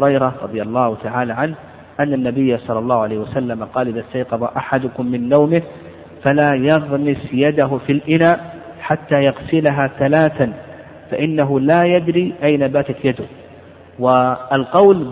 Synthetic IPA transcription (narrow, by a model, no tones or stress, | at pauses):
ɾɑjɾˤɑɾˤɑd̪ˤɨjɑlˤːɑːhʊt̪aʕaːlaʕanh | ʔanːanːabɪjːasˤɑlːɑlˤːɑːhʊʕalajːhwasalːamaqɑːlʔɪðast̪ɑjqɑbˤɑʔaħad̪ʊkʊmːɪnːawmɪh | falaːjɑɣmɪsjad̪aɦʊfilʔɪnaːħat̪ːaːjɑɣsɪlaɦaθalaːθan | faʔɪnːaɦʊlaːjad̪ɾiʔajnabaːt̪at̪jad̪ʊh | wɪalqɑwl